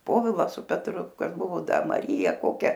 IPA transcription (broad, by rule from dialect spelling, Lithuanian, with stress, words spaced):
ˈpoːʋʲɪlˠɐ sʊ pʲɛtˈrʊ ˈkɐs ˈbʊʋoː ˈdɐr mɐˈrʲiːjɛ ˈkoːkʲɛ